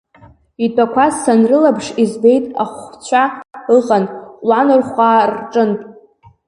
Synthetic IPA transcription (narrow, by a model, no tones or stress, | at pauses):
itʷʼakʷʰazsanrɨlabʂizbe̞jtʼa̰χʷt͡ɕʷʰaɨʁʼanqʼlanɨrχʷaːrʈ͡ʂʼɨntʼ